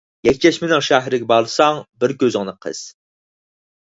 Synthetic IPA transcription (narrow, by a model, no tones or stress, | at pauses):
jɛkʲt͡ʃʰɛʃmɪnɪŋʃæɦɾɪɡʲɛbɑlˠɨsɑŋbɪɾkʲøzɪŋnɨqʰə̰z̥